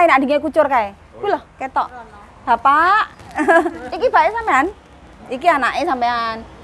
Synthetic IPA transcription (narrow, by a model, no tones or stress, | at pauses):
enad̥i̤ŋekut͡ʃʊrkae | kilɔhket̪ɔʔ | b̥a̤paʔ | ikib̥a̤ʔesampean | ikianaʔesampean